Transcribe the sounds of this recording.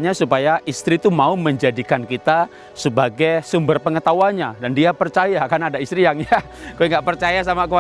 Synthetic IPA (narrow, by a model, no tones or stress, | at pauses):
ɲasupajaʔist̪ɾit̪umauməɲd͡ʒadikankit̪a | səbaɡajsumbərpəŋət̪awaɲadandiapərt͡ʃajakanadaist̪ɾiaŋja | kuɛŋɡaʔpərt͡ʃajas̬amakəwa